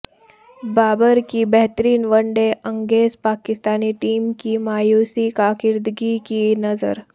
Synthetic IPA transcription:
baːbəɾkibɛɦt̪əɾiːnʋəɳɖeʔəŋɡeːzpaːkɪst̪aːniʈiːmkimaːjusikakɪɾd̪ɡikinəzə̰ɾ

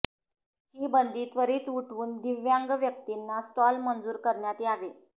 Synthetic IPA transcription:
hiːbənd̪iːt̪ʋəɾiːt̪uʈʰʋuːnd̪iʋjaŋɡʋjək̚t̪inːasʈɔlmənd͡zuːɾkəɾɳjat̪eaʋe

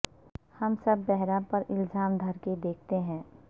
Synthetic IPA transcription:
hɐmsɐbːɛɦɾãpɐɾʔɪlzaːmd̪ʱɐɾked̪eːkʰt̪eɦɛ̃ː

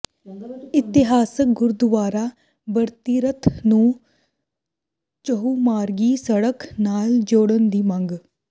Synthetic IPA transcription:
ɪt̪ɪɦaːsək̚ɡʊɾd̪ʋaːɾa | bəɾt̪iːɾət̪ʰnũː | t͡ʃəɦuːmaːɾɡiːsəɽəknaːld͡ʒoːɽənd̪iːmɐ̃ŋɡ

